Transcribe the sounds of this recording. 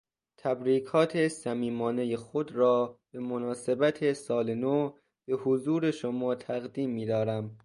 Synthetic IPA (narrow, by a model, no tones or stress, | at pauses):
t̪ʰæbɾiːkʰɒːt̪ʰesæmiːmɒːne̞jexod̪ɾɒːb̥e̞monɒːse̞bæt̪ʰesɒːleno | b̥e̞hozuːɾeʃomɒːt̪ʰæɣd̪iːmːiːd̪ɒːɾæm